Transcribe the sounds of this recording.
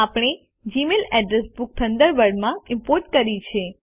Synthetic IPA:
apɳ̃e | d͡ʒimelɛɖɾesbuk̚t̪ʰənd̪əɾʋəɾɖmãɪmpoɾʈ̚kəɾit͡ʃʰe

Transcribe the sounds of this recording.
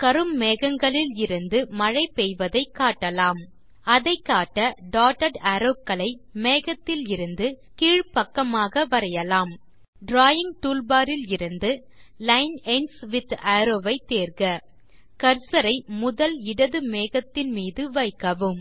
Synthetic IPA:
kɐɾɯmːeːɣɐŋɡɐɭɪlɪɾɯnd̪ɯmɐɻɐɪpɛjʋɐðɐɪkːaːʈːɐlaːm | ɐðɐɪkːaːʈːɐɖaːʈɐɖɐɾoːkːɐɭɐɪmeːɣɐt̪ːɪlɪɾɯnd̪ɯkiːɻpɐkːɐmaːɣɐʋɐɾɐjɐlaːm | ɖɾaːjɪŋʈuːlbaːɾɪlɪɾɯnd̪ɯ | lɐɪnɛnsʋɪt̪ɐːɾoːʋɐɪt̪ːeːrɣɐ | kɐɾsɐɾɐɪmʊðɐlɪɽɐðɯmeːɣɐt̪ːɪnmiːðɯʋɐɪkːɐʋɯm

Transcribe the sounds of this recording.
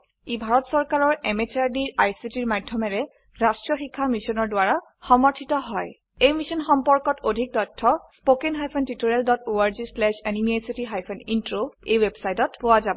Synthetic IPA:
ibʱaɹɔtsɔɹkaɹɔɹɛmet͡ʃaɹdiɹʔajsitiɹmadʱːjɔmɛɹɛ | ɹastɹɔxikʰːamisɔnɔɹdʊaɹa | xɔmɔɹtʰitɔɦɔj | ejmisɔnxɔmpɔɹkɔtʰodʱik̚tɔtʰːɔspokenɦajpʰɔntitoɹialdɔtoaɹzislɛʃenimiajsitiɦajpʰɔnintɹoejwebsajtɔtpʊwazabɔ

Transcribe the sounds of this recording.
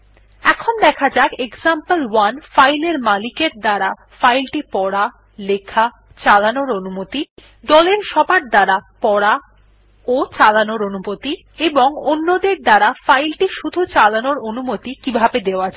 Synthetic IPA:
ɛkʰond̪ɛkʰad͡ʑaeekzampəlwanfajleɾmalikeɾd̪aɾa | fajlʈipɔɽa | lekʰa | t͡ɕalanoɾonumot̪i | d̪ɔleɾʃɔbaɾ̚d̪aɾapɔɽa | ot͡ɕalanoɾonumot̪i | eboŋonːod̪eɾd̪aɾafajlʈiʃud̪ʱut͡ɕalanoɾonumot̪ikibʱabed̪eoad͡ʑa

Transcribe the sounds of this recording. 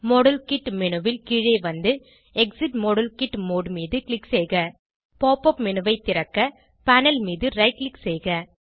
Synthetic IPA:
mɔɽɐlkɪʈːmɪnɯʋɪlkiːɻeːʋɐnd̪ɯ | ɛksɪʈmɔɽɐlkɪʈːmoːɽmiːðɯklɪkseːɣɐ | poːpɔpmɪnɯʋɐɪt̪ːɪɾɐkːɐ | pɐnɐlmiːðɯɾɐɪʈ̚lɪkseːɣɐ

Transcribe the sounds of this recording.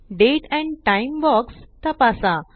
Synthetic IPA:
ɖeʈɛ̃ɳʈajimbɔkst̪apasa

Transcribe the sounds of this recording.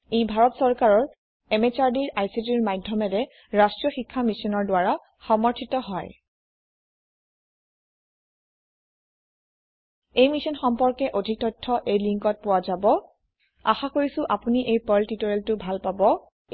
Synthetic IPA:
ejbʱaɹɔtsɔɹkaɹɔɹ | emet͡ʃaɹdiɹʔajsitiɹmajdʱːɔmɛɹɛ | ɹastɹijɔxikʰːamisɔnɔɹdwaɹa | xɔmɔɹtʰitɔɦɔj | ejmisɔnxɔmpɔɹkɛʔodʱik̚tɔjtʰːɔʔejliŋkɔt̚pʊwazabɔ | a̰xakoɹisʊ̃ʔapuniʔejpɔltitoɹeltʊbʱalpabɔ

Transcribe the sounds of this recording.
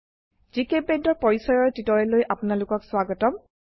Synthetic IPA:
z̥ikep̚bendɔɹpɔɹisɔɹɔɹtitɔɹɛlojʔapunalʊkɔkswaɡɔtɔm

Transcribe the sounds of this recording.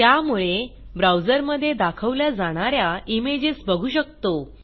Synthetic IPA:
t̪jamuɭe | bɾawd͡zəɾməd̪ʱːjed̪akʰəʋljad͡zaɽ̃aɾjaimed͡ʑesbəɡʱuːɕək̚t̪o

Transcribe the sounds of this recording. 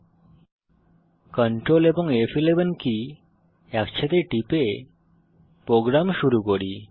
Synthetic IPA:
kɔɳʈɾoleboŋefilebenki | ɛkt͡ɕʰet̪eʈipe | pɾoɡɾamʃuɾukoɾi

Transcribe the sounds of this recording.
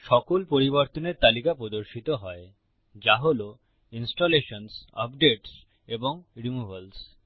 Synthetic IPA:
ʃɔkolpoɾiboɾt̪oneɾt̪alikapɾod̪oɾʃit̪oɦɔe | d͡ʑaɦolo | insʈoleʃonsa̰pɖeʈs | eboŋɾimuels

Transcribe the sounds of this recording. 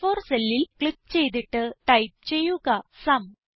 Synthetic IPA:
foːrselːilkɭipt͡ɕe̞jt̪̬iʈːɨʈɐjp̚t͡ɕe̞jːuɣɐsɐm

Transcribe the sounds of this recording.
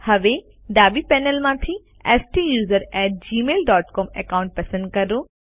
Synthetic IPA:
hɐʋe | ɖ̪aːbipɛːnəlmãːt̪ʰi | ɛːsʈijuːzəɾɛːʈ̚d͡ʑiːmeːlɖɔːʈkɔːmḛkaːʊ̃ɳʈ̚pɐsə̃nd̪̚kɐɾoː

